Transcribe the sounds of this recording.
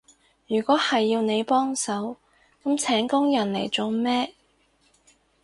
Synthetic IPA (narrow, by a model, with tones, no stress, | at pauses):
jyː˨˩kʷɔː˨˥hɐ˨jːiː˧wne˨˧jpɔː˥ŋsɐ˨˥w | kɐ˨˥mt͡sʰɛː˨˥ŋkʊ˥ŋjɐ˨˩nle˨˩jt͡so˨wmɛː˥